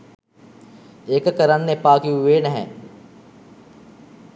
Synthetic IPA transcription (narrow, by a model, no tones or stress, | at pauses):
eːkkɐɾəɳnepaːkiʋeːnɦɛ̰̃ː